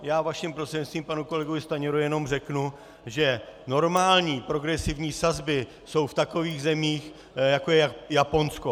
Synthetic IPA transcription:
jaːvaʃimpɾot̪sɛɲt̪st̪viːmpanuko̞lɛɡovɪst̪aɲɛɾujɛno̞mr̝ɛknu | ʒɛno̞ɾmaːlɲiːpɾo̞ɡɾɛsɪvɲiːsazbɪ | so̞wft̪ako̞viːɣzɛmiːx | jakojɛjapo̞nsko

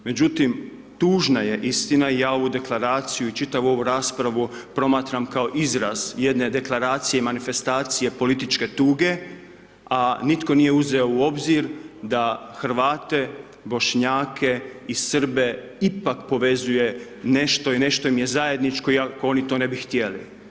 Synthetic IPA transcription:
me̞d͡ʑut̪im | t̪uːʒnaje̞ʔist̪inaijaːo̞ʋud̪e̞klˠaɾaːt̪sijuit͡ʃit̪aʋuo̞ʋuɾaːspɾaʋupɾo̞maːt̪ɾamkao̞ʔizɾaz̥je̞d̪ne̞d̪e̞klˠaɾaːt̪sijemanife̞st̪aːt̪sije̞po̞lit̪it͡ʃke̞t̪uːɡe̞ | anit̪ko̞nije̞uze̞o̞uo̞bziɾd̪axɾʋaːt̪e̞ | bo̞ʃɲaːkʰe̞isr̩be̞ | ipakpo̞ʋe̞zuje̞ | ne̞ʃt̪o̞ine̞ʃt̪o̞imje̞zaje̞d̪nit͡ʃko̞iakoo̞nit̪o̞ːne̞bixt̪je̞lḭ

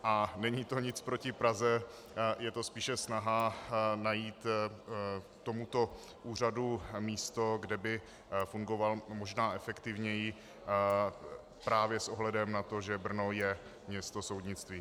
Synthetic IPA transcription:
ʔanɛɲit̪o̞ɲɪt͡spɾo̞cɪpɾazɛ | jɛt̪o̞spiːʃɛsnaɦanajiːt̪ | t̪omut̪o̞ | ʔuːr̝adumiːst̪o̞ɡdɛbɪ | fuŋɡo̞valmo̞ʒnaːʔɛfɛkt̪ɪvɲɛjɪ | pɾaːvjɛsʔoɦlɛdɛmnat̪o̞ʒɛbr̩nojɛ | mɲɛst̪o̞so̞wdɲɪt͡st̪viː

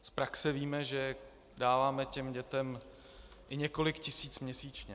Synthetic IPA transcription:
spɾaksɛviːmɛʒɛ | daːvaːmɛcɛmɟɛt̪ɛm | ʔɪɲɛko̞lɪkcɪsiːt͡smɲɛsiːt͡ʃɲɛ

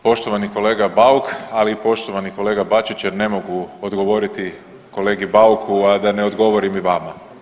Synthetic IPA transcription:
po̞ʃt̪o̞ʋaniko̞le̞ːɡabawkalipo̞ʃt̪o̞ʋaniko̞le̞ːɡabat͡ʃit͡ɕjeɾne̞mo̞ɡuod̪ɡo̞ʋo̞ɾit̪i | ko̞le̞ːɡibaukʰuad̪aneod̪ɡo̞ʋo̞ɾimiʋaːma

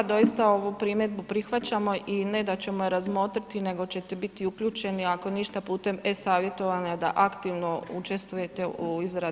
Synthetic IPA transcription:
d̪o̞ist̪ao̞ʋupɾimjed̪̚bupɾixʋat͡ɕamo̞ʔine̞d̪at͡ɕe̞mojeɾazmo̞ːt̪ɾit̪ine̞ɡo̞t͡ɕe̞t̪ebit̪iukʎuːt͡ʃe̞niako̞niʃt̪apuːt̪e̞me̞saːʋje̞t̪o̞ʋanad̪a̰ʔakt̪iʋno̞ut͡ʃe̞st̪ʋuje̞t̪euizɾa

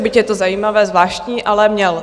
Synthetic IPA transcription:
bɪcjɛt̪ozajiːmavɛːzvlaːʃtɲiːʔalɛmɲɛl

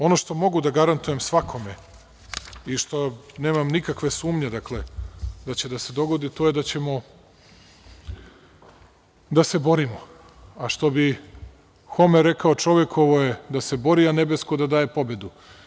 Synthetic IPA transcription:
o̞no̞ʃt̪o̞mo̞ɡud̪aɡaɾant̪ujemsʋakʰo̞me | iʃt̪o̞neːmamnikakʋe̞suːmɲe̞d̪akle̞d̪at͡ɕe̞d̪ase̞d̪o̞ɡo̞d̪it̪o̞ːje̞d̪at͡ɕe̞mo̞ | d̪ase̞bo̞ɾimo | aʃt̪o̞bi | xo̞meɾekaot͡ʃo̞ʋjekʰo̞ʋoje̞d̪ase̞bo̞ɾiane̞be̞skod̪ad̪aːje̞po̞be̞d̪u

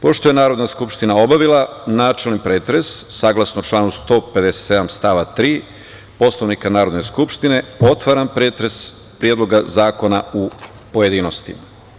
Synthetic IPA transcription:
po̞ʃt̪oje̞naːɾo̞d̪naskupʃt̪inao̞baʋilˠanaːt͡ʃelnipɾeːt̪ɾe̞sːaɡlˠasnout͡ʃlˠaːnust̪o̞ːpe̞d̪e̞set̪se̞d̪amst̪aːʋat̪ɾiː | po̞sloʋnikanaːɾo̞d̪ne̞skupʃt̪ine̞o̞t̪ʋaɾampɾeːt̪ɾe̞s | pɾijed̪lo̞ɡazaːko̞nau | po̞je̞d̪iːnost̪ḭma

